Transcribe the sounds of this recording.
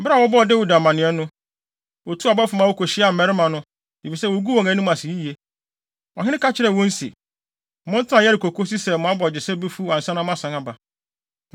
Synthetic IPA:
m̩˨bɪ˦a˨wɔ˦bɔ˦˨de˦wu˨da˨mã˨nɪ̃˨˦ɛ˦nʊ̃˦ | wo˨tʰu˦a˨bɔ˦fʊ˨mã˦wo˦kʰo˨ɕɪ˦a˨m̩˨mɛ˨ɾɪ˦mã˨nʊ̃˦ | di˨fi˨sɛ˦wo˨˦ɡu˦wɔ̃˨ɛ̃˨˦nʊ̃˦m˦ã˨si˨ji˦ji˨e˦ | ɔ˨ɦɪ̃˦nɪ̃˦ka˦t͡ɕʰɪ˦ɾɛ˨wɔ̃˦n̩˦sḭ˨ | mʊ̃˦n˦tʰã˨jɛ˦ɾɪ˨kʰo˨kʰo˦si˦sɛ˨mʊ̃˨a˦bɔ˨d͡ʑɪ˨sɛ˦be˦fu˦ã˨nsã˦nã˦m˦ã˦sã˨ŋa˦ba˨

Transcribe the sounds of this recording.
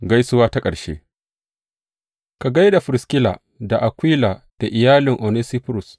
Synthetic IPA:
ɡa˦jsʊ˦waː˦ta˦kʼɐ˨ɽʃḛː˦ | ka˨ɡa˦jda˨ɸʊ˨ɾɪ˨skʲɪ˦la̰ː˨ | da˨ʔa˨kʷiː˦la˨d̥a˨ʔɪ˨jaː˦lɪ˨ŋʔo˨neː˦siː˦pɾʊ˨s

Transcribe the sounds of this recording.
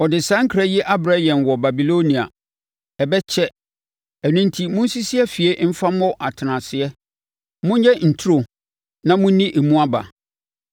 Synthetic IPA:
ɔ˨dɪ˨sã˦ŋ̩˦kʰɾɛ˦jɛ˦ʔa˦bɾa˦jɛ̃˨nwɔ˨ba˨bi˨lo˦nĩ˨a̰˨ | ɛ˨bɛ˦t͡ɕʰɛ˦ | ɛ˨nʊ̃˦n˦tʰi˦mʊ̃˦n̩˦si˦si˦ɛ˦fi˨e˦m̩˦fa˦mɔ̃˦ʔa˨tʰɪ˨nã˨sɪ˨ɛ˦ | mʊ̃˦ɲ˦ɲɛ˦n̩˨tʰu˦ɾo˨ | nã˦mʊ̃˦nĩ˦ʔe˨mũ˦a˦ba̰˨

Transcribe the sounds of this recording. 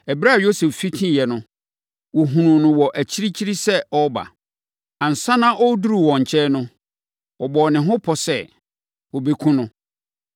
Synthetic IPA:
ɛ˨bɾa˦a˨jo˦se˨ffi˦tʰĩ˦˨jɛ˨nʊ̃˦ | wɔ˨ɦũ˨nũ˨nʊ̃˨wɔ˨ʔæ˨t͡ɕʰi˦ɾi˦t͡ɕʰi˦ɾi˦sɛ˦ɔ˦ba̰˨ | ã˨n̩˨sã˦nã˦ʔɔ˦du˦ɾu˨wɔ̃˨ɲ̩˨t͡ɕʰɛ˦nʊ̃˦ | ɔ˨bɔ˨nɪ̃˨ɦʊ̃˦pʰɔ˨sɛ˦˨ | wɔ˨be˨kʰũ˦nʊ̃˦

